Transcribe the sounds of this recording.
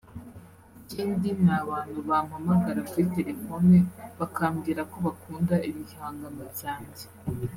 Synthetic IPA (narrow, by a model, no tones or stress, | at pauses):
ciːndinaβaːn̥huβamamaɡaɾakuɾite̞ɾe̞foneβakaːmɡiːɾako̞βakuːndaiβihaːŋɡaŋɡaβjaːɲze̥